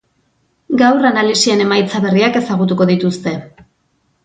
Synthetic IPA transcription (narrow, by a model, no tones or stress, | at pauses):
ɡawranalisie̞ne̞majt͡saβe̞riake̞saɣ̞ut̪uko̞ðit̪ust̪e̞